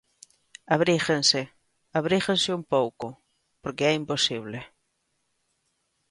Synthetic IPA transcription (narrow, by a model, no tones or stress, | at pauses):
aβɾixense | aβɾixensɪumpowkʊ | poɾkeɛimposiβle